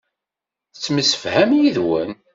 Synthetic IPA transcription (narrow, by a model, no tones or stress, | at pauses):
t͡sːməsə̥fhæmjiðwən